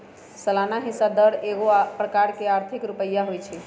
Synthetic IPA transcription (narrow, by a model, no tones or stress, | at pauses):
səlanaɦĩsad̪əɾeɡopɾəkaɾkeaɾt̪ʰikɾupəjːaɦojt͡ʃʰɛ